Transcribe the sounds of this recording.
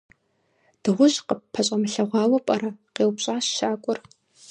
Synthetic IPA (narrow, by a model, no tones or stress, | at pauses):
d̥ɨʁʷʊʑqəppʰːɐɕʷʼɐmɨɬɐʁʷɑːwɐpʼɐɾɐqeːwpɕʼaːɕʃaːkʷʼʊr